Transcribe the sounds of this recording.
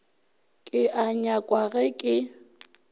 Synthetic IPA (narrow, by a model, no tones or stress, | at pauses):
kʼɪʔaɲakʼwaɣɛkʼɪ